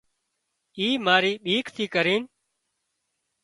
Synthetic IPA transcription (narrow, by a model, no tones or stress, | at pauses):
iːmaːɾiːɓiːkt̪ʰiːkəɾiːn